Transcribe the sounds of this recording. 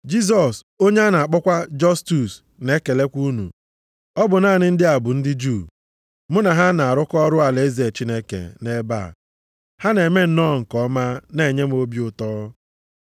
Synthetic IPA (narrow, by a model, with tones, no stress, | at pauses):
d͡ʒi˦s̬ɔ˨s | o˦ɲe˦a˦na˨a˨k͡pɔ˦kʷa˦d͡ʒɔ˦stu˨s | ne˦ke˨le˦kʷu˦nṵ˨ | ɔ˦bʊ˨naː˦˨nɪ˦n̩˦dɪ˦a˨bʊ˨n̩˦dɪ˦d͡ʒu˦˨ | mʊ˦na˨ɦa˦na˨a˨ɾʊ˦kɔ˦ɾʊ˦a˨le˦ze˨t͡ʃi˦ne˦kḛ˨ne˦ba̰ː˦˨ | ha˦ne˨me˦n̩˦nɔ˦ŋ̩˨kɔ˦ma˦ne˦˨ɲe˦m̩˦o˦bi˦ʊ˨tɔ˦